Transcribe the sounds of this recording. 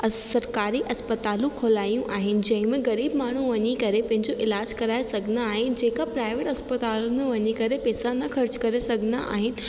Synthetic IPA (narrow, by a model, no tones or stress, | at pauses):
ɐsɐɾkaːɾiʔɐspət̪aːlũkʰolaːijũʔaːɦɪnɪ̆d͡ʑɐ̃ɦɪ̃mẽɣɐɾiːbmaːɳ̤uʋɐɲekɐɾepɐ̃ɦɪ̃ɲd͡ʑoʔɪlaːd͡ʑkɐɾaːesɐɡʱɪnd̪aːɦɪnɪ̆d͡ʑeːkapɾaːɪʋeːʈɐspɐt̪aːlʊnẽʋɐɲekɐɾepɛːsanɐxɐɾt͡ɕkɐɾesɐɡʱɪnd̪aʔa̰ːɦɪnɪ̆